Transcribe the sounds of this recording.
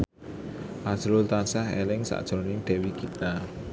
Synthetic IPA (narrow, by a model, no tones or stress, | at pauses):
ʔḁʒ̥ɾʊlt̪ansaɦelɪŋsa̰ʔd̥ʒ̥ɔ̤nɪŋɖ̪̥ɛ̤wikit̪a